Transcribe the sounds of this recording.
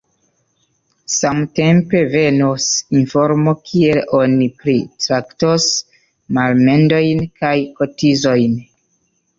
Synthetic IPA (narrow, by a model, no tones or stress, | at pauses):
samte̞mpe̞ve̞nosinfoɾmokʰie̞lonipɾitɾaktos | malme̞ndo̞jnkajkotizo̞jn